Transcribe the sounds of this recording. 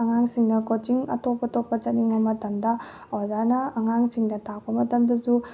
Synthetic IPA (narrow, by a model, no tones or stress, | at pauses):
ɐŋaŋsiŋnɐkot͡ʃiŋɐtopːɐtopːɐt͡ʃɐt̚niŋbɐmɐtɐmdɐ | ɔzanɐːŋaŋsiŋdɐtʰak̚pɐmɐtɐmdɐzu